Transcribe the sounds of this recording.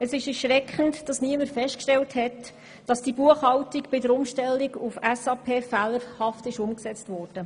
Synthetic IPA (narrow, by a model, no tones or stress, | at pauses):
əsɪʃɛɾʃʁɛkʰχəntd̥ɑsniəmətfɛʃtkʃtɛlthɛt | d̥ɑsd̥ibuəχhɑltikb̥ɪdəɾʊmʃtɛlːiɡufɛsɑːpʰeːfæləɾhɑftɪʃʊmksɛt͡stvɔːrd̥ə